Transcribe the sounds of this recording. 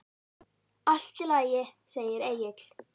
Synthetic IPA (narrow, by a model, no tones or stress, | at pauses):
al̥t̪ɪlaːjɪseːjɪɾeːjɪt̪l̥